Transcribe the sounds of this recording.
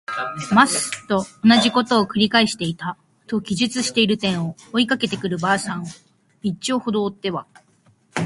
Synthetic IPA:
masɨ̥t̪o̞ːnaʑiko̞t̪o̞ːkɯ̟ɾʲikaiɕi̥t̪e̞it̪a | t̪o̞ɡʲiʑɨt͡sɨɕi̥t̪e̞iɾɯ̟t̪ẽ̞ɰ̃o̞ːikake̞t̪e̞kɯ̟ɾɯ̟baːsãɰ̃o | it͡ɕːioːho̞d̪o̞ːt̪ːe̞βa

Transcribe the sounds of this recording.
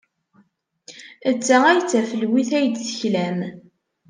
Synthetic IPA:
ət͡sːææjt͡sːæfəlwiθæjd̪θə̥çlæm

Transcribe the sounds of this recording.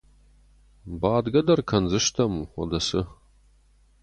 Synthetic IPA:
baːd̪ɡɐd̪ɐrkʰɐnzɨʃt̪ʰɐmuːɔ̰d̪ɐsɨ

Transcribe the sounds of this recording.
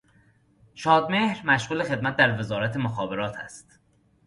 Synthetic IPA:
ʃɒːd̪me̞hɾmæʃɣuːlexe̞d̪̚mæt̪̚d̪æɾve̞zɒːɾæt̪ʰe̞moxɒːbe̞ɾɒːt̪ʰæ̰st̪

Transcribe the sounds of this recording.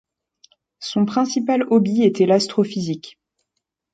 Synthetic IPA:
sɔ̃pχɛ̃sipalɔbiet̪ɛlast̪χɔfizik

